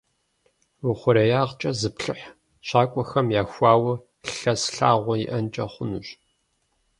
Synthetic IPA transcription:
wʊχʷʊɾɐjaːʁt͡ʃʼɐzɨpɬɨħ | ɕaːkʷʼɔxɐmjaːxʷɑːwɐ | ɬɬɐsɬaːʁʷɔjɪ̰ʔɐnt͡ʃʼɐχʷʊnuɕ

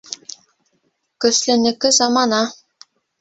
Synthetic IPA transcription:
kɵ̆slɘ̆nɘ̆kɘzɑmɑnɑ

